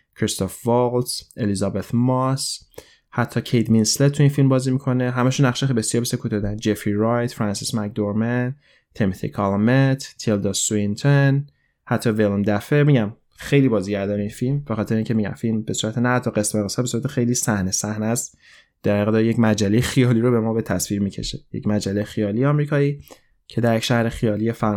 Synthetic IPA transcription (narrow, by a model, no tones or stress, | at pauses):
kʰɾist̪ʰofvɔlt̪ʔelizɒbet̪ʰmɒs | hæt̪ʰːɒːcʰejd̪minslet̪t̪ʰːuinfilmbɒːzimikʰoneɦæmæʃunːæχʃeebe̞sijɒːɾbesekʰuːt̪ɒd̪ænd͡ʒefiɾɒjt̪fɾænsismæk̚d̪oɾmen | t̪ʰemitθḭkʰɑlmet̪ʰt̪ʰild̪ɒsuint̪ʰen | hæt̪ʰːɒvelmd̪æfemiɟæm | xe̞jliːbɒːziɟæɾd̪ɒːɾeinfilmbexɒːt̪ʰe̞ɾeiːŋcʰe̞miɟæ̰mfilmbe̞suːɾæt̪ʰenæhæt̪ʰːɒɣesmeɣesɒbesuɾæt̪ʰexe̞jliːsæhnesæhnæst̪ | d̪̥æɾɣd̪ɒjecmæd͡ʒælːejexijɒːliːɾobe̞mɒːbe̞t̪ʰæsviːɾmiːcʰe̞̰ʃejḛcmæd͡ʒælːejxijɒːlijeɒmɾiːkʰɒːiː | cʰe̞d̪æɾjecʃæhɾexijɒːlijefæ